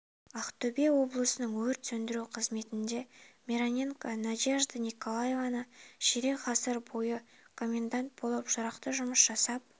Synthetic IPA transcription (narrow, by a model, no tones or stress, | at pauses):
ɑqt̪ɵbewo̞blˠəsənəɴwɵɾt̪sɵnd̪ɪɾuqʰəzme̞t̪ɪnd̪e̞mʲeɾonʲeŋkanad̪iaʒd̪ənʲikolˠaje̞vanəʃeɾe̞qɑsəɾbo̞jəkʰo̞mʲːe̞nd̪ant̪̚bo̞lˠəpʒʊɾɑqt̪əʒʊməsʒ̥ɑsɑp̚